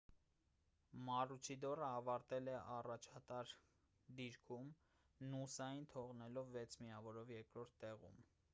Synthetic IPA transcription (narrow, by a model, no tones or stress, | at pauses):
mɑrut͡ʃʰid̪ɔrəɑvɑɾt̪ɛlɛʔɑrɑt͡ʃʰɑt̪ɑɾ | d̪iɾkʰum | nusɑjint̪ʰɔʁnɛlɔvːɛt͡sʰmiɑvɔɾɔvjɛɾkɾɔɾt̪ʰt̪ɛʁṵm